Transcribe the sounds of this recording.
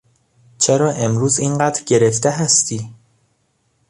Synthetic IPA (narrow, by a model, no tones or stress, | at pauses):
t͡ʃʰeɾɒːʔe̞mɾuːziːnɢæːd̪ɾɟe̞ɾe̞ft̪eɦæst̪iː